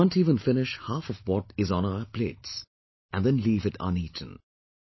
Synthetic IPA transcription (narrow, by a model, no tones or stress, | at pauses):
ãntiːvə̃nfɪnɪʃhafɔvwɔtɪznaʊəpleːts | ɨ̃nd̪ðɛ̃nliːvɨta̰nitʰə̃n̩